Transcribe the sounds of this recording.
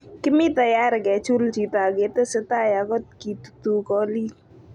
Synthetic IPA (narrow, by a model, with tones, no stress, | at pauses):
kɪ˦mi˦ta˨ja˦ɾɪ˨kɛ˨t͡ʃu˦lt͡ʃi˨ta˨ke˨te˦se˦ta˦ja˨kɔ˦t̚ki˨tu̥˨tu˨kɔ˦li˦